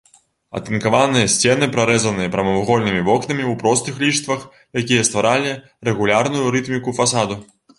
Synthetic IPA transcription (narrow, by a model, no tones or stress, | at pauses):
ɐ̰t̪ɨnkavanɨjɐsʲt͡sʲɛnɨpɾaɾɛzɐnɨjɐpɾɐmɐvuɣɔlʲnɨmʲivɔknɐmʲiwpɾɔst̪ɨxlʲit͡ʂt̪vɐx | jakʲijɐst̪vaɾalʲi | rɛɣulʲarnujuɾɨt̪mʲikufasad̪u